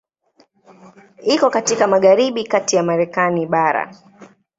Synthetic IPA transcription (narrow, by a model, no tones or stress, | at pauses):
ikɔkatikamaɠaɾiɓikatijamaɾɛkaniɓaɾa̰